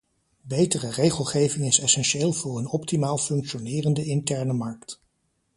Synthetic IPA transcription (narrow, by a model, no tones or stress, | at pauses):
bejtərərejχəlˠχejvɪŋɪsɛsɛnʃeːlˠvʊːɹənɔptimaːlˠfɵŋkʃonɪːrəndəɪntɛɹnəmɑɹkt